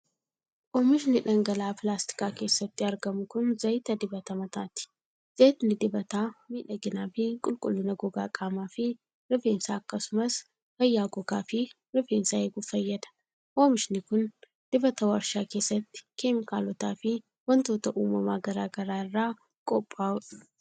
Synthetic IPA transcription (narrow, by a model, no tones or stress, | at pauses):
ʔoːmɪʃ̬nɪᶑɐŋɡɐlaːpɪlaːst̪ɪ̥kaːke̞ːsːɐt̪ːɪɐɾɡɐmʊkʊnzɐjt̪ɐd̪ɪbɐt̪ɐmɐt̪aːt̪ɪ̥ | z̥et̪nɪd̪ɪbɐt̪aːmiːᶑɐɡɪnaːfɪkʼʊlkʼʊlːʊnɐɡɔɡaːkʼaːmaːfɪ | ɾɪfeːnsaːkːɐsʊmɐs | fɐjːaːɡɔɡaːfɪ | ɾɪfeːnsaeːɡʊfɐjːɐd̪ɐ̥ | ʔoːmɪʃnɪkʊn | d̪̥ɪbɐt̪ɐwɐɾʃaːke̞ːsːɐt̪ːɪ̥kemɪkaːlɔt̪aːfɪ | wɐnt̪o̞ːt̪ɐʔuːmɐmaːɡɐɾaːɡɐɾaːɪrːaː | kʼɔpʼːaːʊᶑɐ̥